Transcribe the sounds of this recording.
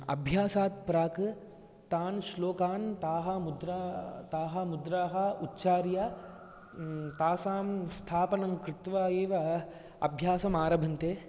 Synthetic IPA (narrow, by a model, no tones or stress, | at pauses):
ɐ̰bʱjaːsaːt̪̚pɾaːkɨ | t̪aːnsloːkaːnt̪aːɦɐmud̪ɾaːt̪aːɦɐmud̪ɾaːɦɐutːt͡ʃaːɾja | t̪aːsaːmst̪ʰaːpɐnɐŋkɾɪt̪ʋaːjeːʋɐ | ɐ̰bʱjaːsɐmaːɾɐbʱɐnt̪eː